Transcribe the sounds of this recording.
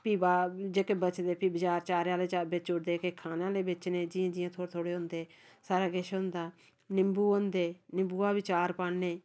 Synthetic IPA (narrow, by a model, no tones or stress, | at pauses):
piːbaːd͡ʒeːkeːbət͡ʃd̪eːpiːbət͡ʃaːɾt͡ʃaːɾjaːleːt͡ʃaːbeːt͡ʃʊɽd̪eːkeːkʰaːnãːleːbɪt͡ʃneːd͡ʒɪːãːd͡ʒɪjãːt̪ʰoːt̪ʰoːɽeːɦʊ̃nd̪eː | saːɾaːɡeʃɦʊ̃nd̪aː | nɪmbuːõnd̪eːnɪmbuːaːbɪt͡ʃaːɾpaːeː